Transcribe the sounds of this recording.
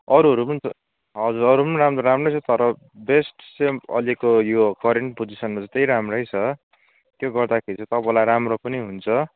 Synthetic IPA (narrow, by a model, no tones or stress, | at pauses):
ʌɾuɦʌɾumʌn | ɦʌd͡zuɾʌɾupʌniɾamroɾamrʌjt͡sʰʌt̪ʌɾʌ | besʈsemʌ̰likojokʰʌɾeɳʈpod͡zisʌnmat͡sʌt̪ʌjɾamrʌjt͡sʰʌ | t̪joɡʌrd̪akʰeɾit͡sʰʌt̪ʌpalajɾamropʌniɦunt͡sʰʌ